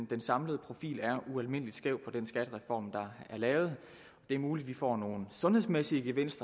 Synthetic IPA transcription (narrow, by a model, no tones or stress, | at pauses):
nd̥ensɑ̈mləð̩ˠpʰʁo̝fḭːlæɐuælme̝n̰əlid̥sɡ̥ɛʊ̥fɒ̽d̥ensɡ̥æd̥əʁɛfɒ̰ːmd̥ɑ̈æɐlɛːʊð̞̩ˠ | ɒ̽d̥e̝æɐmuːlid̥ʋifɒ̰ːno̝ːn̩sɔ̽nhe̝ðˠsmesiəɡ̥eʋen̰sd̥ʁɐ